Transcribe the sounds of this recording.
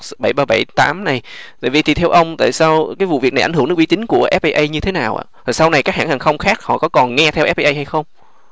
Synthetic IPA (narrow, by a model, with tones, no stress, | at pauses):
ɓa˧˩jɓaː˧ɓa˧˩jt̪aː˨˦mna˨˩jt̪a̰ː˧˨vi˨˩t̪ʰi˨˩t̪ʰɛ˧wʔə˧wŋ͡mt̪a̰ː˧˨jsaː˧wkaː˨˦jvṵ˧˨vi˨˩k̚na˨˩ʔa˧˩ŋhɨ˧˩ŋɨ˦˥ɓi˧˥t͡ɕi˨˦ŋ̟ku˧˩əʔɛ˦˥p̚ʔə˧jʔə˧jɲɨ˧t̪ʰe˨˦naː˨˩wʔa̰ː˧˨t̪ʰaː˨˩sa˧wna˨˩jkaː˦˥k̚haː˧˩haː˨˩ŋxə˧wŋ͡mxaː˦˥k̚hɔ̰˧˨kɔ˨˦kɔ˨˩nŋɛ˧t̪ʰɛ˧ʔɛ˦˥p̚ʔə˧ʔə˧jha˧jxə˧wŋ͡m